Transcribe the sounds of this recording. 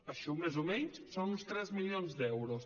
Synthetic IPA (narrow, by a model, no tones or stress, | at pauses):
əʃumezumɛɲssonunst̪ɾɛzmilionzd̪ɛwɾus